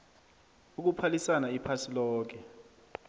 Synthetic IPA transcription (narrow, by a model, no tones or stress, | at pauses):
uk̬upʰalisanaipʰasilɔːk̬ɛ